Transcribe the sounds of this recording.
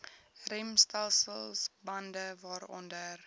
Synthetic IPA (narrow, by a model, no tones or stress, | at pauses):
rɛmstɛlˠsəlˠsbɐndəvɑːɾɔ̰ndər